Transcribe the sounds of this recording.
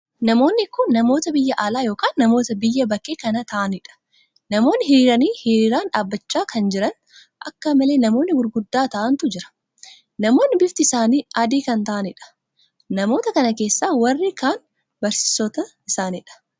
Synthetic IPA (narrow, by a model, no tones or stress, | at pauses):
nɐmo̞ːnːɪkːʊnːɐmo̞ːt̪ɐbɪjːɐʔaːlaːjo̞ːkaːnːɐmo̞ːt̪ɐbɪjːɐbɐkːeːkɐnɐt̪ɐʔɐnɪᶑɐ̥ | nɐmo̞ːnːɪɦɪɾiːɾɐniːhɪɾiːɾaːnᶑaːbːɐt͡ʃːaːkɐnd͡ʒɪɾɐn | ʔɐkːɐmɐle̞ːnɐmo̞ːnːɪɡʊɾɡʊd̪ːaːt̪ɐʔɐnt̪ʊd͡ʒɪɾɐ̥ | nɐmo̞ːnːɪbɪft̪ɪɪsaːniːɐd̪iːkɐnt̪ɐʔɐnɪᶑɐ̥ | nɐmo̞ːt̪ɐkɐnɐke̞ːsːaːwɐrːikaːn | bɐɾsɪ̥sɔt̪ɐɪsaːnɪᶑɐ̥